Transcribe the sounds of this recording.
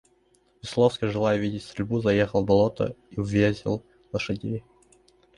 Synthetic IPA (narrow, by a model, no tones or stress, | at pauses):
vʲɪslˠofskəjʐɨlˠajəvʲidʲɪtʲst̪ɾʲɪlʲbuzɐjexəlˠbɐlˠot̪ə̰ivʲesʲɪ̰lˠ | lˠəʂɨdʲej